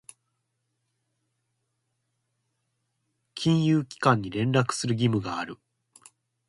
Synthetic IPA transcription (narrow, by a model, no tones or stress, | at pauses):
kʲʰĩɰ̃jɯːkʲi̥kãɲ̟ːiɾẽ̞nɾakɯ̟̥sɨɾɯɡʲimɯ̟ɡaːɾɯ̟